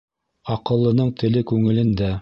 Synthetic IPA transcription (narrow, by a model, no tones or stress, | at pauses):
ɑqɤ̆lˠːɤ̆nɤɴt̪ɘ̆lɘkʉŋɘ̆lɘ̆nd̪æ